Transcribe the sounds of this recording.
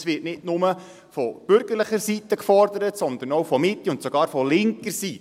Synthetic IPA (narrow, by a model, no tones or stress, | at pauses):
sʋɪːtnɪdnʊmə | fɔb̥ʏɾɡ̥əɾləχəɾsit̪əkfɔɾd̪əɾətsɔnd̪ənɔwfɔmɪt̪ːiʊntsɔɡ̥ɑːɾfɔlɪŋkəɾsi